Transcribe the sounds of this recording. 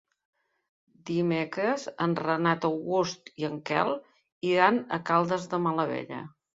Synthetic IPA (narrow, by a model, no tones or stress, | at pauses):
d̪imekɾəzənrənat̪əwɣust̪iəŋkɛ̰lˠ | iɾanəkalˠd̪əzðəmələβḛʎə̰